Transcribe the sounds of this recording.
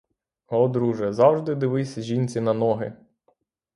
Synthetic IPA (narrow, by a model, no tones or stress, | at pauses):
ɔd̪ɾuʒɛzɑwʒd̪ɪd̪ɪʋɪsʲɐʒʲinʲt͡sʲinɐnɔɦɪ̰